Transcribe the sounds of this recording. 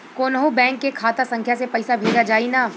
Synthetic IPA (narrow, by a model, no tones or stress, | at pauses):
koːnəɦubɛ̃ːŋkːekʰaːt̪asɐ̃ŋkʰjasepɐɪsabʱeːd͡ʒad͡ʒaːinaː